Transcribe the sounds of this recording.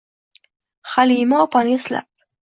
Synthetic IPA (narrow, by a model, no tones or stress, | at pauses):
xalimɑːpanesla̰p̚